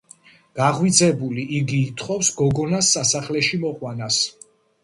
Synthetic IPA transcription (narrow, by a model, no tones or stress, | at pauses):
ɡ̥aʁwid̪zɛbuliʔiɡiːt̪ʰχʼɔfsɡɔɡɔnasːasaχlɛʃimɔʁwanas